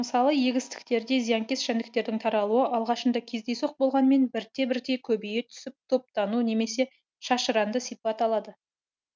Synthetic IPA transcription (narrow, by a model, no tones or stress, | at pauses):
məsɑlˠəje̞ɡʲɪst̪ɪ̥k̚t̪e̞ɾd̪e̞zijɑŋkʲe̞sʃænd̪ɪk̚t̪e̞ɾd̪ɪŋt̪ʰɑɾɑlˠuəʔɑlˠʁɑʃənd̪ɑkʲʰe̞zd̪e̞jso̞q̚bo̞lˠʁɑnme̞nbɪɾt̪e̞bɪɾd̪e̞kʲʰɵbejet̪ʰʏ̥sɪp̚t̪ʰo̞p̚t̪ɑnune̞me̞se̞ | ʃɑʃəɾɑnd̪əsijpɑt̪ɑlˠɑd̪ə